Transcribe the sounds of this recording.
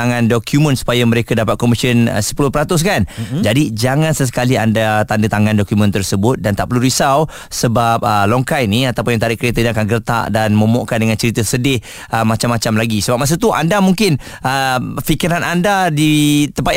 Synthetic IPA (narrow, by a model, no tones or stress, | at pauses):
aŋãndokʰjumə̃nsu̥pajamə̃ɾekadapat̪̚kɔmisiənə̰sə̥pulʊhpəɾat̪ʊs̬kand͡ʒadid͡ʒaŋãnsəs̬ə̥kaliandat̪andət̪aŋãndɔkjumə̃nt̪ərsəbʊt̪̚dant̪aʔpəɾluɾisaw | səbap̚əlɔŋkajniat̪awpʊnjaŋt̪aɾɪʔkəɾet̪əniakanɡərt̪a̰ʔdanmə̃mɔʔkandəŋant͡ʃəɾit̪əsədɪh | əmat͡ʃamːat͡ʃamlaɡisəbap̚mas̬ut̪uʔa̰ndamuŋkɪn | əfikiɾanʔandadit̪əmpa